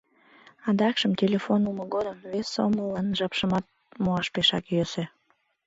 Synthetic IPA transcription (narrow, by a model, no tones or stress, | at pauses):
ɑd̪ɑkʃəmtʲelʲefonuməɡod̪əmvesːo̰məlɑnʒɑpʃəmɑt̪̚ | moɑʃpeʃɑkjøse